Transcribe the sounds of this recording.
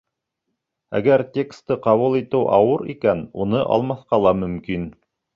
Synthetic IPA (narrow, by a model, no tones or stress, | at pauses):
æ̰ɡæɾtʲe̞kst̪ːɤqɑβulˠit̪ɘwʔɑ̰wɤɾḭkænunɤʔɑ̰lˠmɑθqɑlˠɑmɵ̆mkin